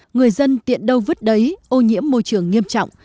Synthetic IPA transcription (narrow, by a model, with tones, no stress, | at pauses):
ŋɨ˨˩əjzə˧nt̪ḭ˧˨ənɗə˧wvɨ˦˥t̚ɗə˨˦jʔo˧ɲḭ˧˥əmːo˧jt͡ɕɨ˨˩əŋːi˧əmt͡ɕɔ̰˧˨wŋ͡m